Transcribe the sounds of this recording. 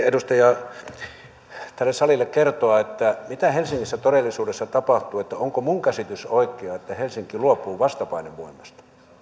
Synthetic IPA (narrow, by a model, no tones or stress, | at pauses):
edust̪ɑjɑ | t̪ælːessɑlilːˑekkert̪oɑet̪ːæmit̪æhelsiŋːisːæt̪oɾelːˑisuːdesːɑt̪ɑpɑht̪uːet̪ːæoŋkomuŋkæsit̪ysoikːˑeɑet̪ːæhelsiŋkiluopˑuːʋɑst̪ɑpɑineʋʋo̰imːˑɑst̪ɑ̥